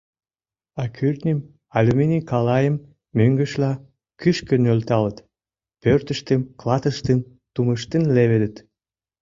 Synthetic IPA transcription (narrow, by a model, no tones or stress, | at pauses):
ɑkʰyrt̪nʲim | ɑlʲumenʲikɑlɑjəmː | øŋɡə̆ʃlɑ | kyʃkənølt̪ɑlət̪ | pørt̪əʃt̪əmklɑt̪əʃt̪ən | t̪uməʃt̪ənleβed̪ə̆t̪